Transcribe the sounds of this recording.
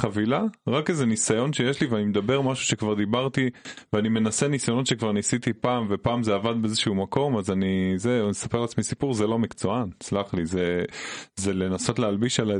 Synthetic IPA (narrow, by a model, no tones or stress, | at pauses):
χavilaʁakeze̞nisajo̞nʃejeʃliveanimed̪abe̞ʁmaʃu̥ʃe̞kvaʁd̪ibaʁt̪iveanime̞nasenisajonʃekvaʁnisit̪ipaːmve̞paːmzeavad̪beezeʃuumako̞mazanizenesapeʁlat͡smisipuʁzelo̞mikt͡so̞ant͡slaχlize | zelenaso̞tlealbiʃala